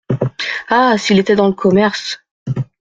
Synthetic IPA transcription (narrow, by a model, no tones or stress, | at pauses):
asilet̪ɛd̪ɑ̃ləkʰɔmɛʁs